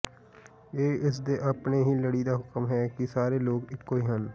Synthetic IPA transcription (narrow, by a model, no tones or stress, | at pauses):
eːɪs̬d̪eːʔəpneːɦiːləɽiːd̪aːɦʊkəmɦɛːkɪsaːɾeːloːɡɪkːoːiːɦən